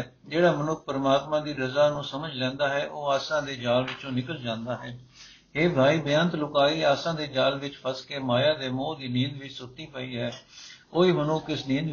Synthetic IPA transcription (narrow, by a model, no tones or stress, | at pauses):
d͡ʒeːɽaːmənʊk̚ʰpəɾmaːt̪mãːd̪iːɾəzaːnũːsəməd͡ʒlɛ̃ːnd̪aːɦɛːʔoːaːsãːd̪eːd͡ʒaːlʋɪt͡ʃõːnɪkəld͡ʒãːnd̪aːɦɛː | ɦeːbʱaːiːbɪjãːnt̪lʊkaːiːaːsãːd̪eːd͡ʒaːlʋɪt͡ʃpʰəskeːmaːjaːd̪eːmõːd̪iːnĩːnd̪ʋisʊt̪ːiːpəiːɦɛːoːiːmənʊkɪsniːnd̪